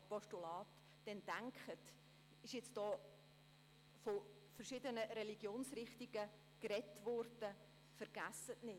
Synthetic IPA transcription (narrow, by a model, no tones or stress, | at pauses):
pɔʃtulɑːt | d̥ɛnd̥æŋkχət | ɪʃjɪt͡sd̥ɔː | fɔ | fərʃɪdənəɾɛliɡ̥joːnsrɪχtiɡ̥ə | kɾɛtvɔrd̥ə | fəɾɡ̥æsətnɪ